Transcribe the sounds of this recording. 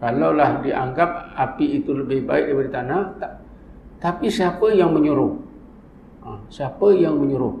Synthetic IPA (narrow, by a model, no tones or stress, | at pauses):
kalawlahdiʔa̰ŋɡap̚apiːt̪uləbɪhbaɪk̚dəpaɾit̪anat̪a | t̪apisiapəjaŋməɲuɾʊh | əsiapəjaŋməɲuɾʊh